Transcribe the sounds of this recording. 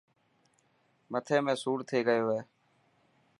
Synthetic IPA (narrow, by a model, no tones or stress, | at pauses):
mət̪ʰeːmẽːsuːɾt̪ʰeːɡəjoːɦeː